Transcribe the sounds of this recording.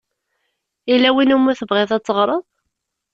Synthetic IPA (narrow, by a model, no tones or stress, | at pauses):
ilːæwinumːʊθəvʁeðˤɑt͡sːəʁɾˤəðˤ